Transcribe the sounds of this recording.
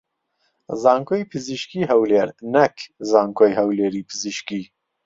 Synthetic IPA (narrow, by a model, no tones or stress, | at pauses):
zaːŋkʰojpʰɨziʃkiːɦɐwleːɾnɛkʰzaːŋkʰoːjhɐwleːɾiːpʰɨziʃkiː